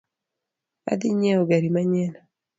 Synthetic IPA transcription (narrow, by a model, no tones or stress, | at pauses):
a̰d̪ɪɲɛoɡaɾimaɲɛna